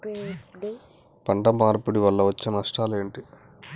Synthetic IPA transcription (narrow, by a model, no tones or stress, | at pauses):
pɐɳɖɐmaːɾpuɽiʋɐlːɐʋɐt͡ʃːinnɐʂʈaːle̞ːɳʈi